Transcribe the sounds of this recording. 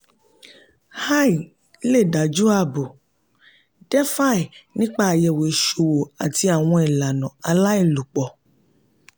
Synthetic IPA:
ha˦˨i˨˦ | le˦˨da˨d͡ʒu˦a˦˨bo˨ | d̥ɛ˦fa˦˨i˨nĩ˦k͡pa˦˨a˨jɛ˨we˨ʃo˨wo˨a˨ti˧a˨w̃ɔ̃˧i˨la˨nɔ̃˨a˧la˦i˦˨lu˨k͡pɔ˨

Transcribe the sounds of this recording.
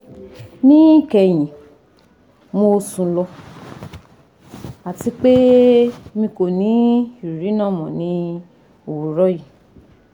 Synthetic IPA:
nĩ˦kɛ˨j̃ĩ˨ | mo˧sũ˨lɔ˧ | a˨ti˧k͡pe˦ | mĩ˧ko˨nĩ˨˦ʃu˨ɾi˨˦nã˦˨mɔ̃˨nĩ˨˧˦ | o˨wu˨ɾɔ˦ji˦˨

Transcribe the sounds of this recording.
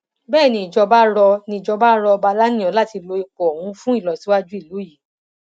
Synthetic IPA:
bɛː˦˨nĩ˧i˨d͡ʒɔ˧ba˦ɾɔ˧nĩ˧i˨d͡ʒɔ˧ba˦ɾɔ˧ba˧la˦nĩ˦˨ɔ̃˨˦la˦˨ti˧lo˧˦i˧kɔ˨hũ˨˦fũ˦i˦˨lɔ˨si˨˦wa˦d͡ʒu˦i˦˨lo˨˦ji˨˦

